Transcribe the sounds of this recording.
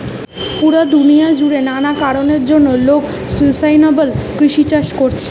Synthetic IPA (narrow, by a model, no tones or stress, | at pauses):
puɾad̪unijad͡ʑuɽenanakaɾoneɾd͡ʑonːolok | sulsajnɔbelkɾiʃit͡ɕaʃkoɾt͡ɕʰe̥